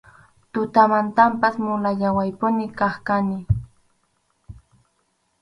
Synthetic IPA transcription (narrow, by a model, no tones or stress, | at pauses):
t̪ʊt̪amant̪ampasmʊlaʎawajpʊnɪkaχkanɪ